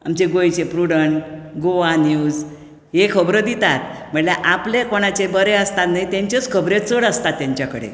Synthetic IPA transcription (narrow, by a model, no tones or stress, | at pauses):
a̰mt͡ɕeɡojt͡ɕepɾuɽəɳɡoʋanjuːd͡z | ɦekʰəbɾəd̪it̪at̪̚m̤əɳljaʔaplekoɽ̃at͡ɕebəɾeəst̪at̪naɦit̪ãɲt͡ɕət͡skʰəbɾet͡səɽəst̪at̪ːjãɲt͡ɕjakəɽḛ